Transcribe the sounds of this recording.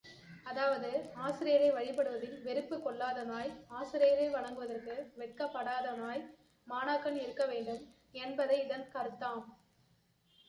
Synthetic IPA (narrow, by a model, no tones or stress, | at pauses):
ɐðaːʋɐðɯaːsɪɾɪjɐɾɐɪʋɐɻɪpːɐɽɯʋɐðɪlʋɛɾɯpːɯkːɔɭːaːðɐnaːjaːsɪɾɪjɐɾɐɪʋɐɭɐŋɡɯʋɐðɐrkɯʋɛʈ̚kɐpːɐɽaːðɐnaːj | maːnaːkːɐnɪɾɯkːɐʋeːɳɖɯm | ɛnbɐðɐɪɪðɐnkɐɾɯt̪ːaːm